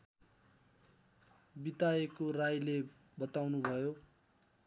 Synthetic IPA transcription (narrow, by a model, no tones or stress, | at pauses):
bit̪aekorajle | bʌt̪awnubʱʌjo